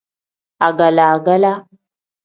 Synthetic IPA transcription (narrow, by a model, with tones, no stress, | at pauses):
a˨ɡa˨la˨a˨ɡa˦la˦